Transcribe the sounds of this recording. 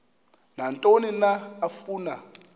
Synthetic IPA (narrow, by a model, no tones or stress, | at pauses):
nantʼoninaːfuːna